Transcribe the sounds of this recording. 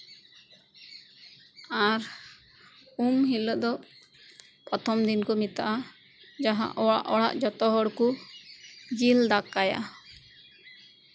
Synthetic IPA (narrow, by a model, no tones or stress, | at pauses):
aɾ | umɦilɔʔd̪ɔ | pɔt̪ʰɔmd̪inkɔmit̪aʔa | d͡ʒaɦã̰ʔɔa̰ʔɔɽa̰ʔd͡ʒɔt̪ɔɦɔɽku | d͡ʒild̪akaja̰